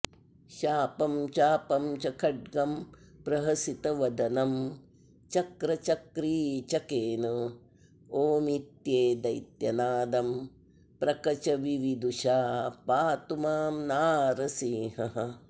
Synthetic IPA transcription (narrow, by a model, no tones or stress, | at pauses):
ʃaːpɐmt͡ʃaːpɐmt͡ʃɐkʰɐɖ̚ɡɐmpɾɐɦɐsit̪ɐʋɐd̪ɐnɐm | t͡ʃɐkɾɐt͡ʃɐkɾiːt͡ʃɐkeːnɐ | oːmit̪jeːd̪ɐjt̪jɐnaːd̪ɐm | pɾɐkɐt͡ʃɐʋiʋid̪uʃaːpaːt̪umaːmnaːɾɐsiːɦɐɦɐ